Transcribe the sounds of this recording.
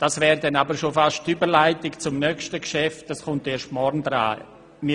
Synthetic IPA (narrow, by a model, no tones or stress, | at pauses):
d̥asvɛːɾdɛnabəɾʃofaʃtːybəɾlaɪtɪkt͡sʊmnœkʃtəkʃɛft̚d̥askʊnteːɾʃtmɔɾnd̪ɾa̰ː | mi